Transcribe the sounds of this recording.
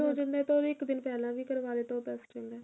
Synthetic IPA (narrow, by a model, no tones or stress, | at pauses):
õːd͡ʒɪnd̪ɛːt̪oːɾɪkd̪ɪnpɛːlãːʋiːkəɾʋaːd̪eːt̪oːpɛːst͡ʃə̃nd̪ɛː